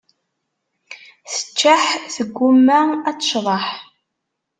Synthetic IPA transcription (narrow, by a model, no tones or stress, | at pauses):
θə̥t͡ʃːaħθəɡʷːumːaæt͡sːə̥ʃðˤɑħ